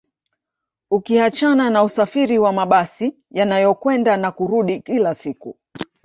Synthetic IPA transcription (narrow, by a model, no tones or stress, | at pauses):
ukihat͡ʃananausafiɾiwamaɓasi | janajɔkwɛndanakuɾuɗikilasiku